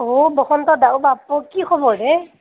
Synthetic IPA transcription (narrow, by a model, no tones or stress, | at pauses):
obɔxɔntɔdawbapɔkikʰɔbɔɾɛ